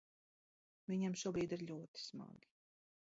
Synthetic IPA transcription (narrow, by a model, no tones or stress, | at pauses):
viɲamʃuɔbɾiːd̪iɾʎʲuɔt̪i̥sma̰ɡi̥